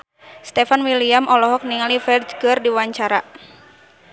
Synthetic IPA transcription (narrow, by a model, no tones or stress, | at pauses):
st̪ɛfanwiliamʔɔlɔɦɔk̚niŋalifɛrd͡ʒɡərdiwaɲt͡ʃaɾa